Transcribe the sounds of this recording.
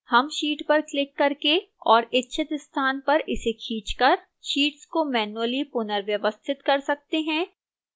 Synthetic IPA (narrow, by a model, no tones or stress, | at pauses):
hɐmʃiːʈpɐɾklɪkːɐɾke | ɔːɾɪtːʃʰət̪ɪst̪ʰaːnpɐɾɪsekʰiːt͡ʃkɐɾ | ʃiːʈskomɛːnuəlipʊnəɾʋjɐʋəst̪ʰɪt̪kɐɾsɐk̚t̪eɦɛ̃ː